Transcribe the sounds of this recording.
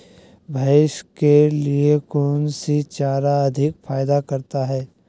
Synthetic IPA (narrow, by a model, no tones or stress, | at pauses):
bʱaːɪʃkeliekɔːnsit͡ʃaːɾaɐd̪ʱɪkfaːjd̪akɐɾt̪aɦɛː